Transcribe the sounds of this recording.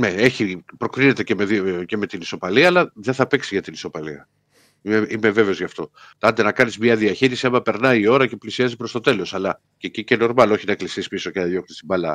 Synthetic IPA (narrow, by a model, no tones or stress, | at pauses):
neeçipɾokɾine̞t̪e̞ce̞meðce̞me̞t̪iniso̞pɐliɐːlɐðeθɐpeksiʝɐt̪iniso̞pɐliɐ̰ | imeimeve̞veo̞zʝɐft̪o̞ | t̪ɐnd̪enɐkɐnizmɲɐðiɐçiɾisiɐmɐpe̞ɾnɐiio̞ɾɐce̞plisiɐzipɾost̪o̞t̪e̞lo̞sɐlɐ | cecice̞no̞ɾmɐlo̞çinɐeklisisi̥piso̞ceɐðjo̞knist̪imɐlɐ̰